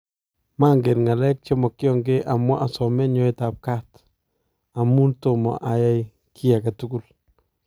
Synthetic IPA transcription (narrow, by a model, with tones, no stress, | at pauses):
ma˦ŋɡe˨nŋa˨lɛ˦k̚t͡ʃɔ˦mɔ˨kjɔ˦ŋɡe˦ʔa˨mwɔ˦ʔa˨sɔmɛ˦nɲɔ˦ɪta˨p̚ka˦t | a˨mu˦nto˨mɔ̰˨ʔa˨ja˦j | kʰi˦ja˨ka˨tuku˦l